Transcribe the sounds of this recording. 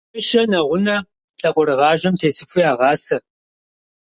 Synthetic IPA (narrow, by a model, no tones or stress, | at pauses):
ɨʃɐnɐʁʷʊnɐ | ɬʰʼɐqʷʼʊɾɨʁɑːʒɐmtʰeːsɨfujaːʁɑːsɐ